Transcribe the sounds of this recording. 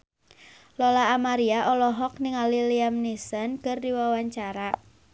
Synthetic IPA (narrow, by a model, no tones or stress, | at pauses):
lɔlaːmaɾiaʔɔlɔɦɔknɪŋaliliamnisənkərdiwawaɲt͡ʃaɾa